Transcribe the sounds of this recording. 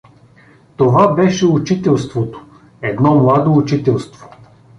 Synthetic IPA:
t̪ovabɛʃɛut͡ʃit̪ɛlˠst̪vot̪o̥ | ɛd̪nɔmlˠad̪oːt͡ʃit̪ɛlˠst̪vo̥

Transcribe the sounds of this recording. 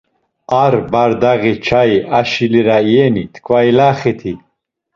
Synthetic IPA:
aɾbaɾd̪aɣit͡ʃʰajaʃiliɾaiɛnit̪ʰkʰwailaːχit̪ʰi

